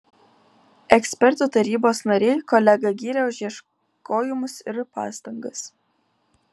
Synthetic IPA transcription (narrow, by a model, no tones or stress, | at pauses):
ɛksʲpʲɛɾt̪uˑt̪ɐɾʲiːboːsnɐɾʲɛɪkɔlʲɛɡɐɡʲiːɾʲɛʊʒʲiɛʃ | kʰoːjɪmʊsɪɾpɑ̰ːst̪ɐŋɡɐs